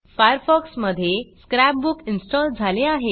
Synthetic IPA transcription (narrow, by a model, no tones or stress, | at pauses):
fʰajəɾpʰɔksməd̪ʱːjeskɾapbukinsʈɔld͡zʱaleaɦe